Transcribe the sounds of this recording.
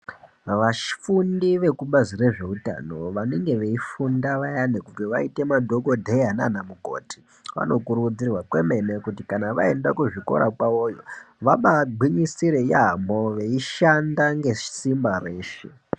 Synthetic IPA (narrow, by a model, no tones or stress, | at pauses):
ʋaʃi̥fundiʋe̞kuɓazire̞ʐe̞uta̰no̞ʋane̞ŋɡe̞ʋe̞ifundaʋajanekuteʋaite̞madʱo̞ɡʱo̞dʱejana̰namuɡʱo̞̰ːti̥ | ʋa̰no̞kuɾud͡zirwakwe̞me̞ne̞kutikanaʋae̞ndakuʐiko̞̰ɾa̰kwaojoʋaɓaɡ͡bʱwiɲisiɾejamoʋe̞iʃandaŋɡe̞ʃi̥simbare̞ːʃḛ